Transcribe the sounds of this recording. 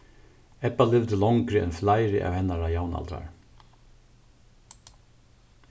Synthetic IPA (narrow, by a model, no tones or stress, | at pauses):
ɛpːalɪvd̪ɪlɔŋkɾɪɛ̰nflajɾɪʔa̰whɛnːaɾajaːwna̰lt̪ɾa̰ɹ